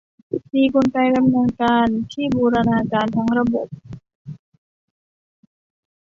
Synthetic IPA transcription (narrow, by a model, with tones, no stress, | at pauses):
miː˧ku˧nka˧jka˧mŋɯ˧ənkaː˧nt̪ʰiː˥˩buː˧ɾa˧naː˧kaː˧nt̪ʰa˧˥˦ŋɾa˧bo˨˩p̚